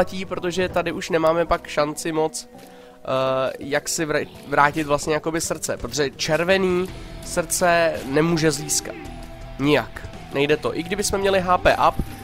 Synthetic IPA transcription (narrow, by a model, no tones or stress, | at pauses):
aciːpɾo̞t̪oʒɛt̪adɪʔuʃnɛmaːmɛpakʃant͡sɪmo̞t͡sː | jaksɪv | vɾaːcɪt̪vlast̪ɲɛjako̞bɪsrt͡sɛpɾot̪oʒɛt͡ʃɛɾvɛniːsr̩t͡sɛnɛmuːʒɛziːska̰t̪ | ɲɪjak | nɛjdɛt̪o̞ʔɪɡdɪbɪsmɛmɲɛlɪɦaːpɛːʔap